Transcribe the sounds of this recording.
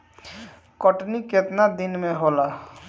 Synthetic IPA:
kɔʈniket̪nad̪ɪnmẽɦola

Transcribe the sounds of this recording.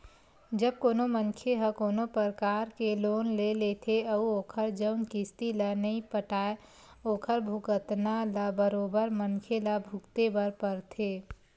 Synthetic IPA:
d͡ʒəb̚koːnomənkʰeɦəkoːnopəɾəkaːɾkeloːnlelet̪ʰeɐuoːkʰəɾd͡ʒəʊnkɪst̪ilanɐĩpəʈaːe | oːkʰəɾbʱʊkət̪nalabəɾoːbəɾmənkʰelabʱʊkt̪ebəɾpəɾt̪ʰeː

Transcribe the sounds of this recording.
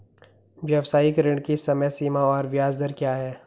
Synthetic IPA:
ʋijəwsaːikɾɪ̃ɳɖkisɐmɛsiːmaɔːɾʋɪjaːzd̪əɾkjaːɦɛː

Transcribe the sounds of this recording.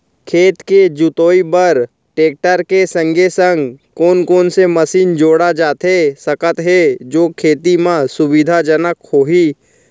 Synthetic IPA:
kʰeːt̪ked͡ʒʊt̪oːibəɾ | ʈeːk̚ʈəɾkesə̃ŋɡʱesə̃ŋɡkoːnkoːnseməsiːnd͡ʒoːɽad͡ʒaːt̪ɦesəkət̪ɦed͡ʒoːkʰeːt̪imãsʊbɪd̪ʱad͡ʒənəkhoːɦiː

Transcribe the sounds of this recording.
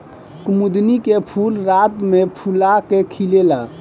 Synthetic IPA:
kumud̪nikepʰulɾat̪mepʰulakekʰilela

